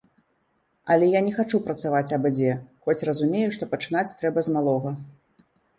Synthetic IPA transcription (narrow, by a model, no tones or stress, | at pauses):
ɐlʲɛjanʲɛxat͡ʂupɾɐt̪savat͡sʲɐbɨd͡zʲɛxɔt͡sʲrɐzumʲejuʂt̪ɔpɐt͡ʂɨn̪at͡sʲt̪ɾɛbɐzmalˠɔɣɐ